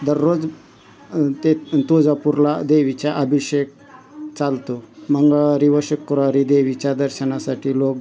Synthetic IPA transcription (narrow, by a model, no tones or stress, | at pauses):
d̪əɾːod͡z | t̪et̪od͡zapuɾlad̪eʋit͡ɕjaʔəbʱiɕek̚ | t͡salt̪oməŋɡɭaɾiʋəɕəkːɾaɾid̪eʋit͡ɕjad̪əɾɕənasaʈʰiːlok̚